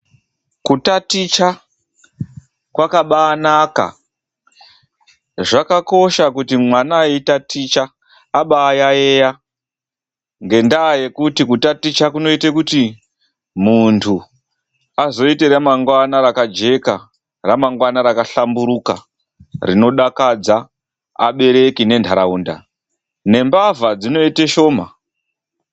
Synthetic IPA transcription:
kutatit͡ʃa | kwakaɓaːnaka̰ | ʐakako̞ʃakutimwanaeitatit͡ʃaː | ɓaːjaeja | ŋɡe̞ndaːje̞kutikutatit͡ʃakuno̞itekuti | muntʰu | azo̞ite̞ɾamaŋɡwanaɾakad͡ʒe̞ka | ramaŋɡwanaɾakaɬambuɾuka̰ | rino̞ɗakad͡za | a̰ɓe̞ɾe̞kine̞ntʰaɾauːnda̰ | ne̞mbavad͡zino̞iteʃo̞ːma

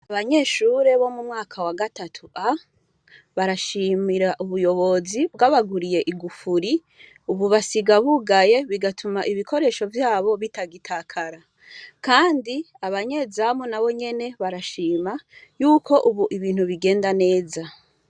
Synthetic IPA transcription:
aβaɲe̞ːʃuːɾe̞βo̞mumŋaːkʰawaɡatatʰuʔa | βaɾaʃimiɾaʔuβujo̞βo̞zibɡaβaɡuɾije̞ʔiɡufuɾi | uβuβasiɡaβuɡaje̞βiɡatʰumaʔiβikʰo̞ɾe̞ʃo̞vjaːβo̞βitaɡitʰakʰaɾa | kaːndi | aβaɲe̞ːzamonaβo̞ɲe̞ne̞βaɾaʃiːmajuːkʰo̞ʔuβuʔiβiːn̥huβiɡe̞ːndane̞ːza

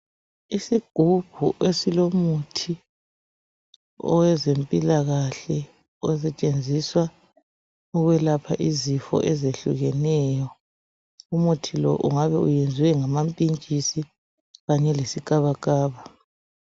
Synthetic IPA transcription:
isiɡ̥ʱub̥ʱuʔesilomutʰi | ɔ̰wɛzempʼilaɣaɬɛ | ɛs̬ɛt͡ʃʼend͡zʱiswa | uɣwɛlapʰaʔizifɔ̰ʔɛzeɬuɣɛnɛːjɔ | umutʰilɔ̰ʔṵŋaβɛujend͡zʱiwɛŋamampʼint͡ʃʼisi | ɣaɲɛlesikʼaβakʼaːβa

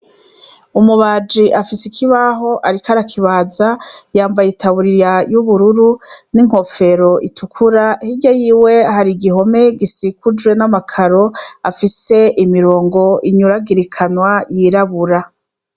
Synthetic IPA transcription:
umuβaːd͡ʒiʔafisikʰiβaɦo̞ʔaɾikaɾakʰiβaːzajaːmbajitʰaβuɾiɾjajuβuɾuɾuniŋho̞fe̞ɾo̞ʔitʰukʰuɾahiɟajiːwe̞ahaɾiɡiɦo̞me̞ɡisikud͡ʒwe̞namakʰaɾo̞afise̞ʔimiɾo̞ːŋɡo̞iɲuɾaɡiɾikʰanwajiɾaβuɾa

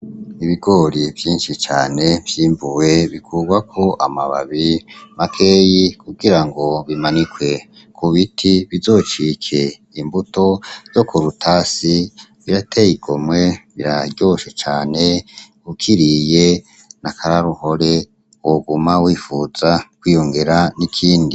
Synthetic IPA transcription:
iβiɡo̞ɾivjiːnʃit͡ʃa̰ːne̞vjiːmbuweβikʰuːɡwakʰo̞ʔamaβa̰βimakʰeːjikʰuɡiɾaŋɡo̞βimanikwe̞ | kʰuβitʰiβizo̞ːt͡ʃikʰe̞ | imbuto̞z̥o̞kʰoɾutʰasiβiɾatʰejiɡo̞mwe̞βiɾaɟo̞ʃet͡ʃaːne | ukʰiɾije | nakʰaɾaɾuho̞ɾe̞ | woɡumawiːfuz̥akwiːjo̞ŋɡe̞ɾanikʰiːndi

